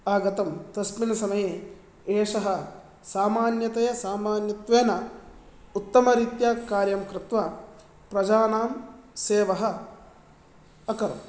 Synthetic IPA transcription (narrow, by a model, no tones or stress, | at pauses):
aːɡɐt̪ɐmt̪ɐsminɐsɐmɐje | eːʂɐɦɐ | saːmaːnjɐt̪ɐjɐsaːmaːnjɐt̪ʋeːnɐ | ut̪ːɐmɐɾiːt̪jaːkaːɾjɐmkɾɪt̪ʋɐ | pɾɐd͡ʒaːnaːmseːʋɐɦɐ̆ | ɐkɐɾɐ̰m